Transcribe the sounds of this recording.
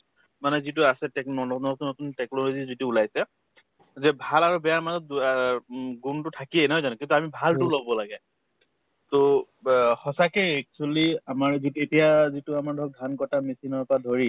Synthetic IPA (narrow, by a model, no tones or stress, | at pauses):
manɛzituasɛtɛknɔnnɔtnɔt̪untɛknɔlozizituːlajsɛ | zɛbʱalaɹubɛjaɹmazɔt̚ | ɡuntʊtʰakienɛɦɔjzanũkint̪uamibʱaltʊlobbɔlaɡɛ | t̪o | hɔsakɛjɛk̚t͡ʃualiamaɹzitetijazituamaɹdʱɔɡʱankɔtamisinɔɹpɔɹadʱoɹi